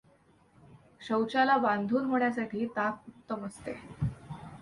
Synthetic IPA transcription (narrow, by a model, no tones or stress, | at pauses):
ɕəwt͡ɕalabãnd̪ʱuːnm̤əɭjasaʈʰiːt̪ak̚ut̪ːəməst̪ḛ